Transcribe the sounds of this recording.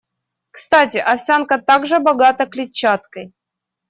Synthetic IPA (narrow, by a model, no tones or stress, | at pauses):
kst̪atʲɪʔɐfsʲankət̪aɡʐɨbɐɡat̪əklʲɪt͡ɕːat̪kəj